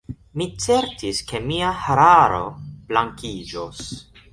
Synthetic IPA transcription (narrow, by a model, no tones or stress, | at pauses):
mit͡se̞ɾtʰiske̞miahaɾaɾo̞̰b̥laŋkid͡ʒos